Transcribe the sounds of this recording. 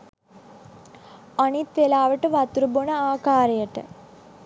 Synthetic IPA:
anit̪ʋelaːʋəʈəʋat̪uɾəbonəaːkaːɾejəʈə̰

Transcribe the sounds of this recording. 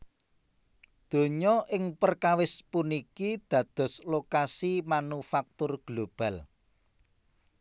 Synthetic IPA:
d̪̥o̤ɲɔʔɪŋpərkawɪspunikid̪̥ä̤d̪̥ɔ̤slokasimanufak̚t̪ʊrɡ̥lob̥a̤l

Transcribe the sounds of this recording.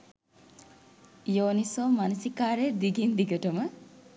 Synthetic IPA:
joːnisoːmanusikaːɾeɾd̪iɡind̪iɡəʈəmə

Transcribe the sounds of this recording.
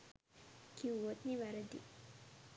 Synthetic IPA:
kiuot̪niʋaɾəd̪ḭ

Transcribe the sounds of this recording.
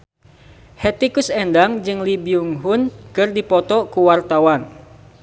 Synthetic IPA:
hɛt̪ikusɛndaŋd͡ʒɨŋlibiuŋɦunkɨrdipɔt̪ɔkuwart̪awan

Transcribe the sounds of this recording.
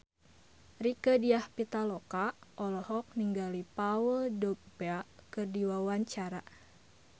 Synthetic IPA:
rikədiahpit̪alɔkaʔɔlɔhɔk̚niŋɡalipawəldɔk̚bakərdiwawaɲt͡ʃaɾa

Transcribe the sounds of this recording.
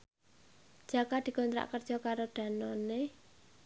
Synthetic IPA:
ʒ̥akad̪̥i̤kɔnt̪ɾa̰ʔkərdʒ̥ɔ̤kaɾoɖ̪̥ä̤nɔne

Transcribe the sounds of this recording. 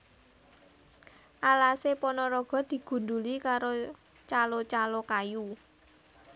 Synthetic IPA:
ʔalasepɔnɔɾɔɡ̥ɔ̤d̪̥i̤ɡ̥ṳnd̪ṳlikaɾo | t͡ʃalot͡ʃalokaju

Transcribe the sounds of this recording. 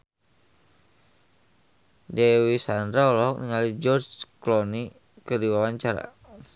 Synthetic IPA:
dɛwisandɾaɔlɔɔk̚niŋalid͡ʒɔrd͡ʒklɔni | kədiwawaɲt͡ʃaɾa̰

